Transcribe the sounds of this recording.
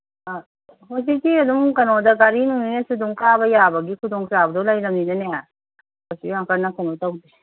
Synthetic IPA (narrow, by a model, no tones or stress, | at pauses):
hos̬itiɐdumkɐnodɐɡaɾinuŋninesuduŋklabɐjabɐɡikʰudɔŋsabɐdɔlɐjɾɐmninɐnea | osihaŋkʰɐɾnɐkɐnotawdi